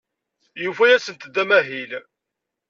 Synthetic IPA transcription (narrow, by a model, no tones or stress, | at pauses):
jufæjæsənt̪d̪ːæmæɦil